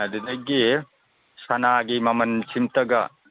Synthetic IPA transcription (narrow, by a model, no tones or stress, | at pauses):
ɐd̪id̪ɐɡe | sɐnaːɡimɐmɐnt͡ʃimt̪ɐɡa